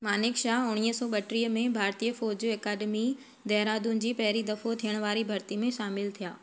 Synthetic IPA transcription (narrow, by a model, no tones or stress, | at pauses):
maːnɪkʃaːɦʊɽ̃iːəsɔːɓɐʈɾiːəmẽbʱaːɾt̪ijəfɔːd͡ʑeːkaːɗmi | d̪ɛːɾaːd̪ʊnɪ̆d͡ʑiːpɐɦɪɾid̪ɐfot̪ʰijəɽ̃ʋaːɾibʱɐɾt̪imẽʃaːmɪlt̪ʰijaː